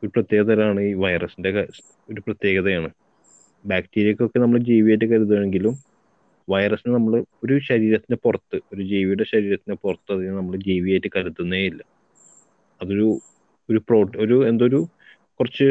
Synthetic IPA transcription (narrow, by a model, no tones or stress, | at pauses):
oɾuprɐt̪jeːɣɐðɐɾɐmaːɳɨiːʋɐjrɐsindekɐ | o̞ɾuprɐt̪je̞ːɣɐðɐjaːɳɨ | baːktiːɾijɐkʲːo̞kːe̞nɐmːɐɭd͡ʑiːʋijaːjt̬ːɨkɐɾut̪̬ːuɳeŋɡilum | ʋɐjrɐsinɨnɐmːɐɭɨo̞ɾuɕɐɾiːɾɐt̪ːinɨpurɐt̪ːɨo̞ɾud͡ʑiːʋijuɽe̞ɕɐɾiːɾɐt̪ːinepurɐt̪ːɐðiɲːnɐmːɐɭd͡ʑiːʋijaːjtːɨkɐɾut̪ːunːeilːɐ | ɐðo̞ɾu | oɾupro̞ːʈoɾue̞nd̪oɾu | kurɐt͡ɕːɨ